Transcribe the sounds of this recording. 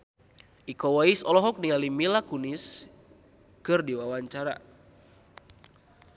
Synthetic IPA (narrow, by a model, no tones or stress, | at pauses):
ʔikɔwaisɔlɔɦɔk̚nialimilakunis | kɨrdiwawaɲt͡ʃaɾa̰